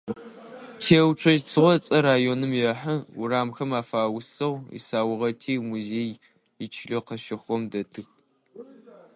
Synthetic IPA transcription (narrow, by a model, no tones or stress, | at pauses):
tʰeːwt͡ʃʷʰɔʒt͡sʰɨʁʷɔt͡sʼɐɾaːjoːnɨmjɛħɐʊraːmxɐmaːfaːwʊsɐwḭsaːwʊʁɐtʰiːmuzeːj | ɪt͡ʃʰɪɮoqɐʃɪχʷɔmdɐtʰɨx